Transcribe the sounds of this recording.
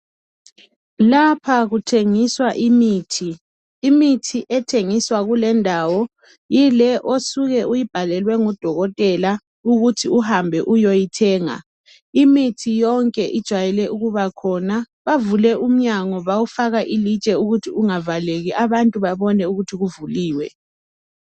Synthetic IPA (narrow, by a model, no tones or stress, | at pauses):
lapʰaɣutʰeŋiswaʔimiːtʰiː | mitʰiʔɛtʰeŋiswaɣulɛndʱaːwɔ | jilɛʔosuɣɛʔujib̥ʱalɛlwɛŋɔd̥ʱɔɣɔtʼɛla | uɣutʰiuhambʱɛʔujojitʰɛːŋa̰ | imitʰijɔŋkʼɛʔid̥ʒ̥ʱwajɛlɛʔuɣuβakʰɔna | βavulɛʔum̩ɲaŋɔβawufaɣaʔili̥t͡ʃʼɛuɣutʰiuŋavaleɣiʔaβantʼuβaβɔnɛuɣutʰiɣuvuliːwɛ